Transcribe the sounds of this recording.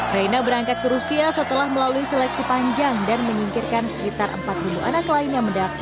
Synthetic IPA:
rajnabəɾaŋkat̪̚kəɾusiasət̪əlahməlaluisɛlɛk̚sipaɲd͡ʒaŋdanməɲiŋkirkansəkit̪arə̰mpat̪̚bibuʔa̰naklaɪnjaŋməndaf

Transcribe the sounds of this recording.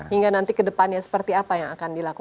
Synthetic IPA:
hiŋɡanant̪ikədəpanɲasə̥pərt̪iapajaŋakandilaku

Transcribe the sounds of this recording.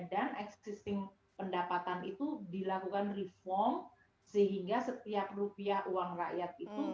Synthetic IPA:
danɛkssist̪ɪŋ | pəndapat̪anit̪udilakukanrifɔrm | səɦiŋɡasət̪iap̚rupiahuwaŋra̰ʔjat̪̚it̪u

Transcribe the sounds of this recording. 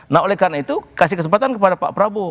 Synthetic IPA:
naɦolɛhkarnait̪ukasihkəsəmpat̪ankəpadapa̰ʔpɾabo

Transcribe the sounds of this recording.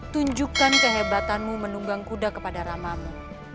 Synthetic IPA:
t̪uɲd͡ʒukankəɦebat̪anmumənuŋɡaŋkudakəpadaɾamamu

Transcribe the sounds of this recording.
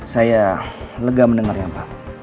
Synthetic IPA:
sajaləɡamənəŋarjapa

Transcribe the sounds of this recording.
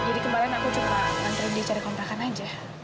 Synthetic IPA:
d͡ʒadikəmalɪnakut͡ʃumaant̪ɾindit͡ʃaɾikɔnt̪akanad͡ʒa

